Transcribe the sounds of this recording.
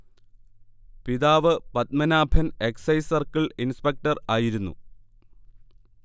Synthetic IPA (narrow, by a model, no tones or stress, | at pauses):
piðaːʋɨpɐt̪̚mɐnaːbʱɐne̞ksɐjsɐrkɐɭinspek̚ʈɐraːjiɾunːṵ